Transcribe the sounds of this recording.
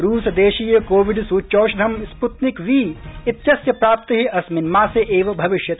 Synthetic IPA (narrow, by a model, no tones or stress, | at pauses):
ɾuːsɐd̪eːʃiːjɐkoːʋiɖsuːt͡ʃoːʃɐɐmsput̪nikʋiːɪt̪jɐsjɐpɾaːp̚t̪ɐɦiʔɐsmɪnmaːseʔeːʋɐbʱɐʋɪʃjɐt̪